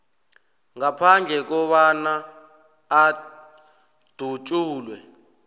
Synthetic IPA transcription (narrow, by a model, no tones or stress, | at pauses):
ŋapʰand͡ɮʱɛk̬ɔɓanaː | d̥ʱut͡ʃʼuːlwɛ